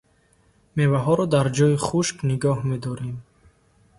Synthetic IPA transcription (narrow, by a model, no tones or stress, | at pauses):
mevaɦɔɾɔd̪aɾd͡ʒɔiχuʃkniɡɔhmed̪ɔɾem